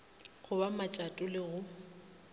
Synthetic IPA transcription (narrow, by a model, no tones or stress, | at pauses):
χʊbamat͡ʃʼatʼʊlɪɣʊ